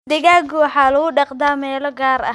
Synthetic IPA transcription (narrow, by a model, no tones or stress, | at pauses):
d̪ɪɣaːɡʊwɑħɑːlɐɣʊɖɑqd̪aːmɛːlɔɡaːɾɐ̰